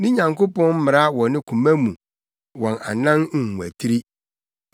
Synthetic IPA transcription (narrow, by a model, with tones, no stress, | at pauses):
nɪ̃˦ɲã˨ŋko˦pɔ̃˦n˦mɪ̃˨ɾa˦wɔ̃˨nɪ̃˦kʰũ˨mæ̃˦mũ˨ | wɔ̃˨na̰˨nã˦n̩˨hũ˨æ̰˨tʰi˦ɾi˦